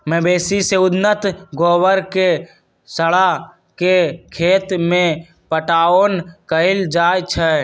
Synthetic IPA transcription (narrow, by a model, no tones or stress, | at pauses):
mɛ̃beːsiseʊd̪nət̪ɡoːwəɾke | səɽa | kekʰeːt̪mẽ | pəʈaːonkəɪld͡ʒaːjt͡ʃʰɛ